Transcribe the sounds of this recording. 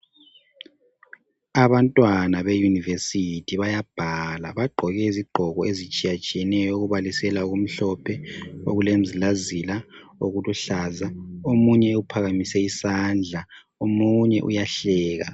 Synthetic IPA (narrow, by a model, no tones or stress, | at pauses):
aβantʼwanaβejunivesitʰiβajab̥ʱala̰βaɡ͡ǃʱɔɣɛiziɡ͡ǃʱɔɣɔezit͡ʃʼijat͡ʃʼijɛnɛjɔuɣuβalisɛlauɣum̩ɬɔpʰɛoɣulem̩zilazilaoɣuluɬazaomuɲɛupʰaɣamisɛisand͡ɮʱa | omuɲɛʔṵjaɬɛːɣa̰